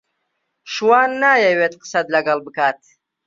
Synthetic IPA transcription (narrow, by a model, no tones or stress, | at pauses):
ʃuwaːnːaːjewet̪̚qə̥sad̪laɡalbɨkʰaːt̪̚